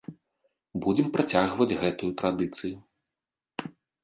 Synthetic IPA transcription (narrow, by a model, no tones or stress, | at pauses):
bud͡zʲɛmpɾat͡sʲaɣvɐd͡zʲɣɛt̪ujut̪ɾad̪ɨt̪sɨju